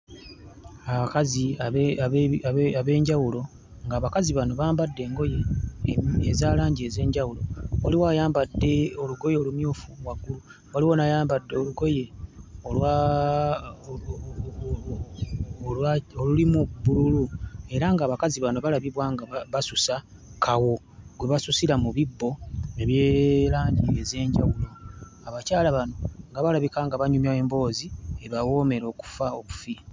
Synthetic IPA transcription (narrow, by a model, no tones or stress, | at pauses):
aβakaziaaaaβe̞ːɲɟawulo̞ | ŋɡaːβakaziβano̞βaːmbadːe̞ːŋɡo̞je̞ | ezaːlaːɲɟie̞ːze̞ːɲɟawulowaliwajaːmbadːe̞o̞luɡo̞je̞ːlumjoːfuβwaɡːulu | waliwonajaːmbadːeoluɡo̞je̞olwa | laolulimubululue̞ɾaŋɡaːβakaziβano̞βalaβiβwaŋɡaβasusa | kʰawo̞ | ɡwe̞βasusiɾamuβibːo̞eβjeːɾaːɲɟieze̞ːɲɟa̰wulo̞ | aβacaːlaβano̞ŋɡaβalaβikaŋɡaβaɲumjae̞mbo̞ːzie̞βawo̞ːme̞ɾo̞ːku̥faoβufi